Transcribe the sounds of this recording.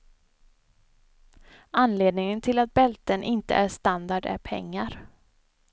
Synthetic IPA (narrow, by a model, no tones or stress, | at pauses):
anleːd̪nɪŋənt̪ʰɪlat̪̚bɛlt̪ənʔɪnt̪ə̰ʔæɾʂt̪and̪aɖæ̰ɾpʰɛ̰ŋːaɾ